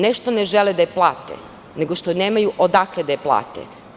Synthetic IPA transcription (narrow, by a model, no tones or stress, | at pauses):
neʃt̪oneʒeled̪ajeplˠaːt̪ḛ | ne̞ɡoʃt̪oneːmajuʔod̪akled̪ajeplˠa̰ːt̪ḛ